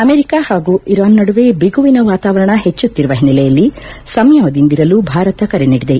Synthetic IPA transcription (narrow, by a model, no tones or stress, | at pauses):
ɐmeːɾikahaːɡuiɾaːnːɐɽuʋebiɡuʋinɐʋaːt̪aːʋɐɾɐɳɐɦet͡ʃːut̪ːiɾuʋɐɦinːilɛjɐlːi | sɐmjɐʋɐd̪ind̪iɾɐlubʱaːɾɐt̪ɐkɐɾeniɽid̪e